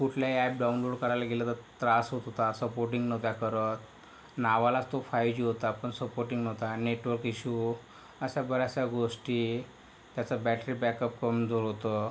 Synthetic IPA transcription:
kuʈʰljaɛp̚ɖaunloɽkəɾajlaɡelət̪əɾt̪ɾasɦot̪ɦot̪asəpoɾʈiŋɡnəwt̪jakəɾət̪ | naʋalat͡st̪ofajd͡ʑiːɦot̪apəɳsəpoɾʈiŋɡnəʋt̪aneʈʋəɾkiɕu | əɕabəɾjasaɡoʂʈiː | t̪jat͡səbæʈɾiːbɛkəp̚kəmd͡zoɾɦot̪ə

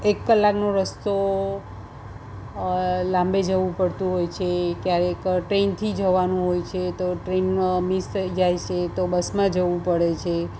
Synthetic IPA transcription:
ekːəlːaknoɾəst̪o | lãmbed͡ʒəʋũpəɽt̪ũɦojt͡ʃʰekjaɾekʈɾent̪ʰid͡ʒəʋanũɦojt͡ʃʰet̪oʈɾenmisid͡ʒajt͡ʃʰet̪obəsmãd͡ʒəʋũpəɽet͡ʃʰe

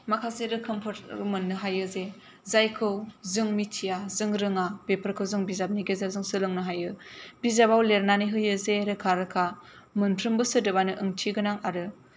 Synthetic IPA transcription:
makʰaseɾɯkʰɯmpʰɯtmɯnːɯɦajɯze | zajkʰɯwzɯŋmitʰijazɯŋɾɯŋabepʰəɾkʰɯwzɯŋbizap̚niɡezazɯŋsɯlɯŋnɯɦajɯb̥izabawleɾnaniɦɯjɯzeɾɯkʰaɾɯkʰa | mɯntʰɾɯmbɯsɯdɯbanɯʔɯŋtʰiɡɯnaŋaɾɯ

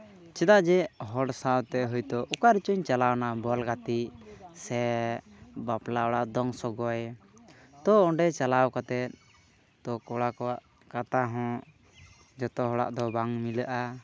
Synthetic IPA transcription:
t͡ʃɛd̪aʔd͡ʒɛɦɔɽsawt̪ɛɦəjt̪ɔʔukaɾit͡ʃuɲt͡ʃalawnabɔlɡat̪iʔsɛ | baplaɔɽaʔd̪ɔŋsɔɡɔɛ | t̪ɔɔɳɖɛt͡ʃalawkat̪ɛt̪̚ | t̪ɔkɔɽakɔaʔ | kat̪aɦɔ̃ | d͡ʒɔt̪ɔɦɔɽa̰ʔd̪ɔbaŋmiləʔa

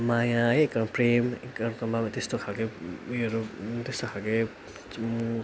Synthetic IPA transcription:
majãekːʌnpremekːʌkʌmbamt̪est̪okʰalkeuʌɾut̪est̪okʰalke | mu

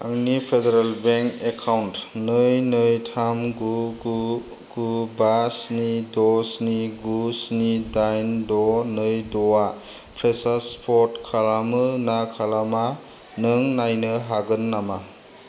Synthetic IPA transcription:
aŋnipʰedeɾalbeŋkekʰawntnɯjnɯjtʰamɡuu | ɡ̥ubasnidɔsniɡusnidajndɔnɯjdɔwapʰɾesaspʰɔtkʰalamɯnakʰalama | nɯŋnajnɯɦaɡɯnːama

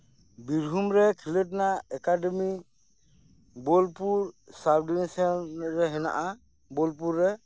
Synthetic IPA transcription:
biɾɦumɾɛkʰilət̬naɛkademi | bɔlpuɾsabdinɛsɔnɾɛɦɛna̰ʔa | bɔlp̬uɾːɛ

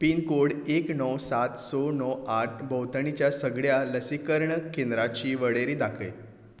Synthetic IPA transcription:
piːnkoɽeknɔwsat̪sonɔwaʈ̚ʰbəwt̪əɳ̃it͡ɕjasəɡɭjaləsikəɾɳəkend̪ɾat͡ɕiːʋəɽeɾiːd̪akʰəj

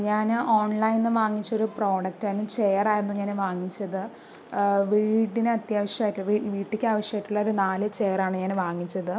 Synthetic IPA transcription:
ɲaːno̞ːɳlɐjnːɨʋaːŋːit͡ɕːo̞ɾupro̞ːɽɐk̚taːjinːut͡ɕejɐraːjiɾunːuɲaːnʋaːŋːit͡ɕːɐðɨ | ʋiːʈːinɨɐt̪jaːʋɐʂjɐmaːjʈːuɭiʋiːʈːikʲːaːʋɐʂjaːjiʈːuɭːɐoɾunaːlɨt͡ɕe̞ːjɐraːɳɨɲaːnʋaːŋːit͡ɕːɐðɨ

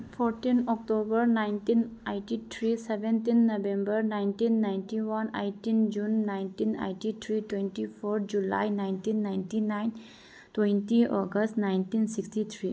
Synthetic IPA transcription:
fɔɾʈĩnɔkʈobəɾnaɪnʈineɪʈit̪ʰɾiseʋẽnt̪inːoʋẽmbəɾnaɪnʈĩnːãɪ̃nʈiʋanejʈind͡ʒunːãɪ̃nʈĩnḛjʈit̪ʰɾiʈwẽnʈifɔɾʈd͡ʑula̰jnaɪnʈĩnːãɪnʈinaɪn | twẽntiʔɔɡəsʈnaɪ̃nʈĩnsiksʈit̪ʰɾi

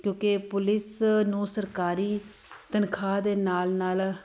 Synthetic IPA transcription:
kjõːkepʊlɪsnũːsəɾkaːɾiː | t̪ənkʰaːd̪eːnaːlnaːl

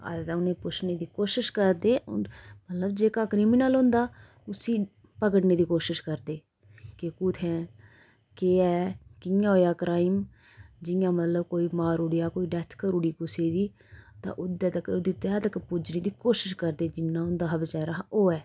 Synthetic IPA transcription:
ə̰t̪ːʊnẽːpʊt͡ʃʰneːd̪iːkoːʃɪʃkəɾd̪eːʊ̰mət̪ləbd͡ʒeːkaːkɾiːmɪnəlɦʊ̃ːnd̪aː | ʊsiː | pəkəɽneːd̪iːkoːʃɪʃkəɾd̪eː | kekuːt̪ʰɛ̃ː | keːɛːkɪjãːɦoːjaːkɾaːɪm | d͡ʒɪjãːmət̪ləbkoːiːmaːɾuːɽijaːkoːiːɖɛt̪ʰkəɾuːɽiːkʊseːd̪iː | t̪ã̰ːʔʊd̪ɛːt̪əkəɾod̪iːt̪ɛːd̪əkpud͡ʒneːd̪iːkoːʃɪʃkəɾd̪eːd͡ʒɪnːãːʊnd̪aːɦəbd͡ʒɛːɾaɦʔoːɛː

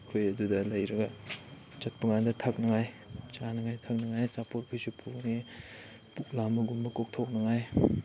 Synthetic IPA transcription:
kʰojɐdudɐlɐjɾɐɡɐ | t͡ʃɐt̚pɐŋandɐtʰɐk̚nɐŋaj | t͡ʃanɐŋajtʰɐk̚nɐŋajt͡ʃapoɾpʰijsupʰukni | puk̚lambɐɡumbɐkok̚tʰok̚nɐŋaj

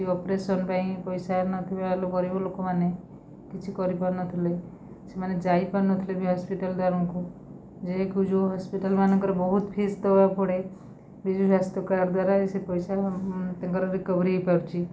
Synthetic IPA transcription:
iɔpɾesɔnpãĩpɔjsanɔt̪ʰibealokɔɾibɔlokomane | kit͡ʃʰikɔɾipaɾnɔt̪ʰile | semaned͡ʒaipanɔt̪ʰilebʱiɦɔspiʈəld̪waɾɔŋku | d͡ʒeɦekud͡ʒoɦɔspiʈəlmanɔ̃ŋkɔɾebɔɦut̪pʰest̪ɔbapɔɽe | bid͡ʒusast̪ɔkaɾd̪waɾaesepɔjsat̪ãŋkɔɾɔɾikɔbɾiɦepabt͡ʃʰi

